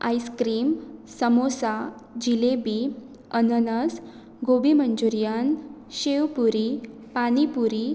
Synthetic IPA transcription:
a̰jskɾiːmsəmosa | d͡ʑilebi | ənənəs | ɡobiməɲd͡ʑuɾjanɕewpuɾi | panipuɾi

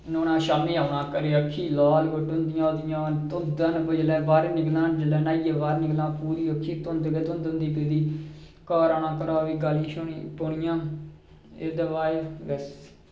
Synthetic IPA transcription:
noːnãːʃaːmliːaːʋnãːkəɾeːəkʰːiːlaːlʋəʈʊnd̪ɪjãːd̪ɪjãːt̪ʊd̪ənbəd͡ʒlɛːbaːɾnɪɡlãːnd͡ʒəlɛːnaːiːeːʋaːɾnɪɡlãːpuːɾiːəkʰːiːt̪ʊnd̪ɡət̪ʊ̃nd̪nd̪iːpid̪iː | kaːɾaːnãːkəɾaːʋiːɡəliːʃpʊɳɪjãː | eːd̪əʋaːeɡəs

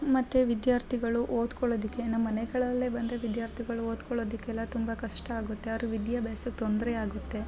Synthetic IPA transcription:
mɐt̪ːeʋid̪jaːɾt̪ʰiɡɐɭuʔoːd̪kɔɭoːd̪ikːe̞nɐmːɐneɡɐɭɐlːebɐnd̪ɾeʋid̪jaːɾt̪ʰiɡɐɭuoːd̪kɔɭo̞ːd̪ikːeɛlːɐt̪umbɐkɐʂʈɐaːɡut̪ːe̞ɐɾuʋid̪jɐbaːsuk̚t̪ond̪ɾɛaːɡut̪ːe̞

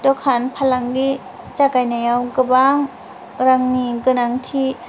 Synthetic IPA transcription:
dɔkʰanpʰalaŋɡi | t͡ʃakajnajawɡɯbaŋ | ɾaŋniɡɯnaŋtʰi

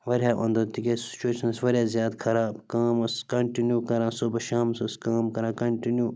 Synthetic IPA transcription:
ʋɐɾʲjaːʔõ̰nd̪ot̪ikesi̥t͡ʃueʃɐnsʋɐɾʲjaːzjaːt̪kʰɐɾaːbkaːmɐskɐɳʈinjukɐɾãːsobɐʃaːmsoskaːmkɐɾãːkɐɳʈinjuː

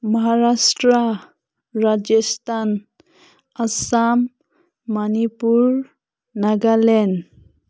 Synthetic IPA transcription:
mɔɦaɾasʈɾa | ɾad͡ʒest̪ʰan | asamː | anipuɹ | naɡalɛn

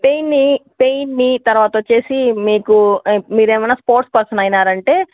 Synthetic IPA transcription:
pejnːipe̞jnːit̪ɐɾʋaːt̪ɐʋɐt͡ʃːe̞ːsimiːkumiːɾeːmɐjnaːspoːɾʈspɐɾsɐnɐjnaːɾɐɳʈe̞ː

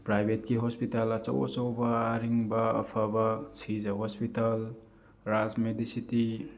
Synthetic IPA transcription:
pɾajbʱetkiɦɔspitalɐt͡ʃɐ̰wɐ̰t͡ʃɐwbɐːɾiŋbɐ̰ːpʰabɐsʰid͡ʒɐɦɔspital | ɾazmedisiti

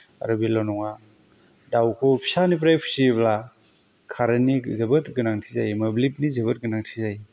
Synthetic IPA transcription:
a̰ɾɐbilɔnɔŋa | dawkʰɔpʰi̥sanip̬ɾajpʰi̥sibla | kʰaɾɐnizɐbɯtɡɯnaŋtʰizajmɐblip̚nizeβɯt̚ɡɯnaŋtʰizaj

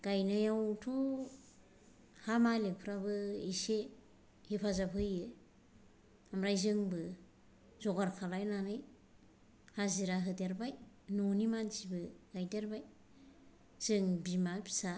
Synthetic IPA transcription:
ɡ̥ajnajawtʰɔ | hamalek̚pʰɾabɯise | hipʰazapʰɯjɯ | amɾajzɯŋbɯ | zɔɡaɾkʰalajnanɯj | haziɾaɦɯdeɾbaj | nɔnimanzibɯɡ̥ajdeɾbaj | z̥ɯŋbimapʰi̥sa

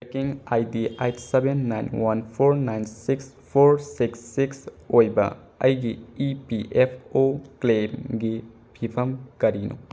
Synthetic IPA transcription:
tekiŋajdiejtsebenːa̰jnwanpʰoɾnajnsiks | pʰoɾsiksːiks | ojbɐ̰ | ɐjɡiipiʔepʰoklemɡi | bʱipʰɐmkɐɾinṵ

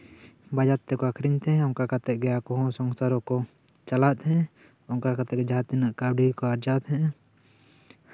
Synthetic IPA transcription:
bad͡ʒat̪ːɛkɔakʰɾiɲt̪ɛɔŋkakat̪ɛʔ̚ɡɛakɔɦɔ̃sɔŋsaɾɔkɔ | t͡ʃalat̪̚ɦɛ̃ | ɔŋkakat̪ɛɛd͡ʒaɦat̪inəʔkawɖiɾkɔaɾd͡ʒat̪ɦɛ̃

